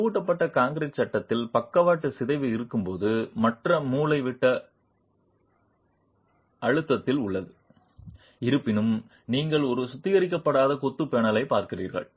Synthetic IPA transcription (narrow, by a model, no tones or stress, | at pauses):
ɯʈːɐpːɐʈːɐkaːŋɡɾet͡ʃːɐʈːɐt̪ːɪlpɐkːɐʋaːʈːɯsɪðɐɪʋɯɪɾɯkːɯmpoːðɯmɐʈrɐmuːlɐɪʋɪʈːɐ | ɐɻɯt̪ːɐt̪ːɪlʊɭːɐðɯ | ɪɾɯpːɪnɯm | niːŋɡɐɭɔɾɯsʊt̪ːɪɣɐɾɪk̬ːɐpːɐɽaːðɐkɔt̪ːɯpeːɳɐlɐɪpaːɾkɪrḭːrɣɐ̰ɭ